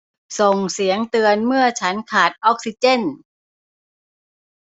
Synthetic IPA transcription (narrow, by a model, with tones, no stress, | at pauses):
so˨˩ŋsi˩˦əŋt̪ɯ˧ənmɯ˥˩ət͡ɕʰa˦˥nkʰaː˨˩t̪̚ʔɔ˦˥k̚si˧t͡ɕe˥˩n